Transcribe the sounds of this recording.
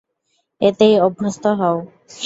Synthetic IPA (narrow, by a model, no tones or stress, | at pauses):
et̪ejɔbʱːost̪ɔɦɔo